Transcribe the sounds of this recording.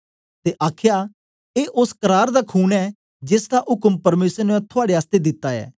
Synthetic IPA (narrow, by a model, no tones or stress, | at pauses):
t̪eʔaːkʰja | eːʔʊskəɾaːɾd̪akʰuːnɛ | d͡ʒɪsd̪aʔɦʊkəmpɐɾmeːsɾnũɛ̃t̪ʰʊaːɽeaːst̪ed̪ɪt̪ːaɛ̰ː